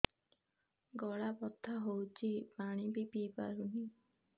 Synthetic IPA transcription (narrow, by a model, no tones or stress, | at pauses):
ɡɔɭapɔt̪ʰːaɦowt͡ʃʰipaɽ̃ibipipa̰ɾuni